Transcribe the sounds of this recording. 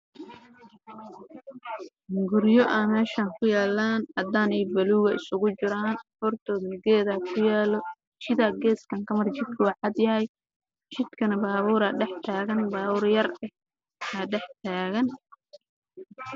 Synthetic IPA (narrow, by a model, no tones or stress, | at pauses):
ɡʊɾjɔʔɐmɛːʃɐŋkʰʊjaːlːaːnʔɐd̪aːnɛjbɐluːɣɐɪsʊɣʊt͡ʃɪɾaːnfɔrt̪ʰɔːðnɡɛːðaːkʰʊjaːlɔ | t͡ʃɪðaːɡɛːskʰɐŋkʰɐmɐrt͡ʃɪd̪̚kʰʊwɑʕɑd̪jɐɦɛj | t͡ʃɪd̪̥kʰɐnɐbaːβuːɾɐɖɛħt̪ʰaːɣɐnbaːβuːrjɐrɛ | ɐɖɛħt̪ʰaːɣɐn